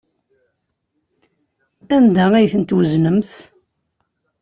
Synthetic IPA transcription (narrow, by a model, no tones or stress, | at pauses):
ænd̪ææjθənt̪wəznəmθ